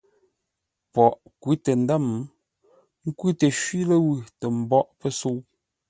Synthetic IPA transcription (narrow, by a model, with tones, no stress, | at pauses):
pɔ˨ʔ | kwi˦te˨n˦da˦˨m | ŋ̩˦kwi˦te˨ʃɥi˦lə˦wʉ˨tɛ˨m̩˨bɔ˦ʔpə˦so˦w